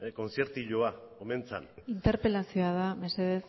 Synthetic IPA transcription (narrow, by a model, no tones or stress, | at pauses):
eko̞nsje̞ɾt̪uʎoakoment͡sa̰nint̪e̞ɾpelasio̞að̞ameseð̞es